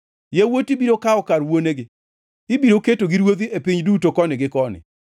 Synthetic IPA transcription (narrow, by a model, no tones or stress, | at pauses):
jawotibiɾokaɔkaɾwoneɡɪ | ɪbiɾoketoɡɪɾwod̪iepiɲdutokɔnɪɡɪkɔnɪ̰